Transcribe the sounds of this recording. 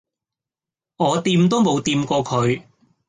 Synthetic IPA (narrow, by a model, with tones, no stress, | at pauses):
ŋɔː˨˧t̪iː˧mt̪o˥wmo˨˧wt̪iː˧mkɔː˧kʰɵ˨˧ɥ